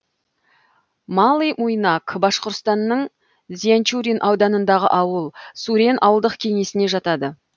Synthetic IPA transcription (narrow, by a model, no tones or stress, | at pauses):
mɑlˠijmujnɑkbɑʃqoɾt̪st̪ɑnːəɴ | zʲiant͡ʃuɾʲinʔɑwd̪ɑnənd̪ɑʁə̰ʔɑwəlˠsuɾʲenʔɑ̰wəlˠd̪əqkʲʰe̞ŋe̞sɪne̞ʒɑt̪ɑd̪ə